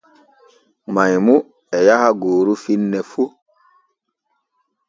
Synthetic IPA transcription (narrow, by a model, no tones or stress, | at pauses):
majmu | ɛjahaɡoːɾufinːɛfu